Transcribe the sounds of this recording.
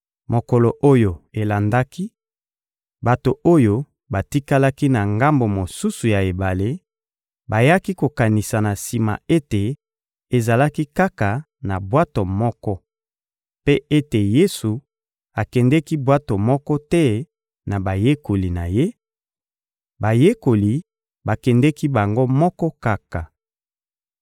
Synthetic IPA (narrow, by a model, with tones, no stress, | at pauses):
mo˨ko˨lo˨ʔo˦jo˨e˨la˨nda˦ki˦ | ba˨to˨o˦jo˦ | ba˨ti˦ka˦la˦ki˦na˨ŋɡa˦mbo˨mo˨su˦su˨ja˨e˨ba˨le˦ | ba˨ja˦ki˦ko˨ka˨ni˨sa˨na˨si˨ma̰˨e˦te˨ | e˨za˨la˦ki˦ka˦ka˨ | na˨bwa˦to˨mɔ˦kɔ˦ | pe˦e˦te˨je˦su˨ | a˨kɛ˨ndɛ˦ki˦bwa˦to˨mɔ˦kɔ˦tɛ˦ | na˨ba˨je˦ko˨li˨na̰˨je˦ | ba˨je˦ko˨li˨ | ba˨kɛ˨ndɛ˦ki˦ba˨ŋɡo˦mɔ˦kɔ˦ka˦ka˨